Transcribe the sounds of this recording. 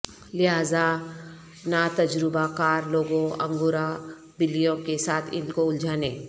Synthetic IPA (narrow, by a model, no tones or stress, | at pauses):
lɪɦaːza | nat̪ɐd͡ʒɾɪbakaːɾloːɡõɐ̰̃ŋɡʊɾa | bɪlijõkesaːt̪ʰɪ̰nkoʊld͡ʒʱaːneː